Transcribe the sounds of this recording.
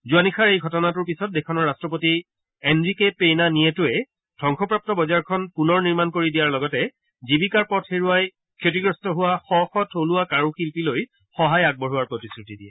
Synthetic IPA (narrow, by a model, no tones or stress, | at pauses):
zuanixʰaɹejɡʱɔtɔnatʊɹpisɔt̚dekʰɔnɔɹːastɹɔp̬oti | ɛnɹikepejnanijɛtʊɛ | d̥ʱɔŋxʰɔpɹap̚tɔbɔzaɹkʰɔnpunɔɹniɹmankoɹidijaɹlɔɡɔtɛ | zibikaɹpɔtʰeɹuaj | kʰotiɡɹɔstɔɦʊwaxɔxɔtʰoluwakaɹuxilpiloj | xɔɦajaɡ̚bɔɹuwaɹpɹotisɹutidiɛ